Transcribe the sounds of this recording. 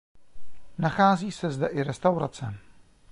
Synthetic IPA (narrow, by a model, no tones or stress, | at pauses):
naxaːziːsɛzdɛʔɪɾɛst̪awɾat͡sɛ